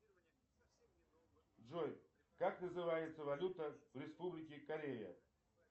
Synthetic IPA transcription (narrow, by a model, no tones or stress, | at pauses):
ʐoj | kaknəzɨvajɪt̪səvɐlʲut̪əvɾʲɪspublʲɪkʲɪkɐɾʲejə̰